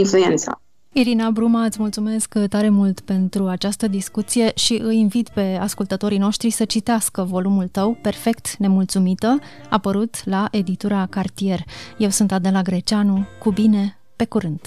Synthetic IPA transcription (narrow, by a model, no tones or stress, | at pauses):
influent̪sa̰ | iɾinabɾumaɨt̪sʲmult̪sume̞skt̪aɾe̞mult̪pe̞nt̪ɾuat͡ʃast̪əd̪iskut̪sije̞ʃiʔɨjinvit̪pe̞askult̪ət̪o̞ɾino̞ʃt̪ɾisət͡ʃit̪easkəvo̞lumult̪əwpe̞rfe̞kt̪ne̞mult̪sumit̪ə | apəɾut̪laʔe̞d̪it̪uɾakart̪ije̞rje̞wsunt̪ad̪elaɡɾe̞t͡ʃanukubine̞ | pe̞kuɾɨnd̪